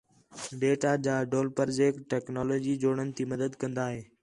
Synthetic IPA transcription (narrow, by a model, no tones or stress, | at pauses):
ɖeːʈad͡ʑaːɖoːlpəɾd͡ʑeːkʈʈɛːknɔːloːd͡ʑiːd͡ʑoːɽ̃ənɪ̆t̪ʰiːmɐd̪əd̪kɐ̃nd̪aːɦeː